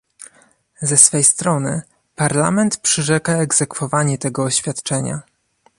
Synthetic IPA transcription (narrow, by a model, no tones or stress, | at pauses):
zɛsfɛjst̪ɾɔnɘ | paɾla̰mɛnt̪pʂɘʐɛkaɛɡz̥ɛkfɔvaɲɛt̪ɛɡɔːɕfʲjat̪t͡ʂɛɲa̰